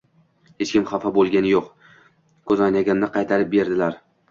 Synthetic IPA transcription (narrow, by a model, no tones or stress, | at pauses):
he̞t͡ʃkʲɪmχɑfabolˠɡʲanɪjoq | kʰɵzɒnaɡʲamnɪqʰɑjt̪ʰaɾɪp̚be̞ɾd̪ɪlaɾ